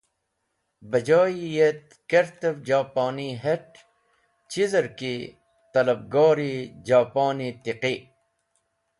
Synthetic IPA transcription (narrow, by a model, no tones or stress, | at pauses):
bɐd͡ʑaːijet̪̚ | keɾt̪ebd͡ʑaːpaːniɦeʈ | t͡ɕizɐɾki | t̪ɐlɐb̚ɡɑːɾid͡ʑaːpaːnit̪iqi